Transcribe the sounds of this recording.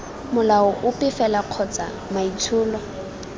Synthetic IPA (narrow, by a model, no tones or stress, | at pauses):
mʊlaɔʔʊpʼɪfɛlaq͡χʰɔt͡sa | mait͡sʰʊːlɔ